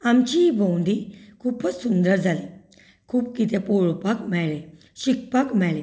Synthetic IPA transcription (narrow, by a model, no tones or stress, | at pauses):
amt͡ɕiibõwnd̪ikʰuːpət͡ssund̪əɾd͡zʱali | kʰuːp̚kit̪ʰẽpoɭpakmɛɭe | ɕik̚pakmɛɭe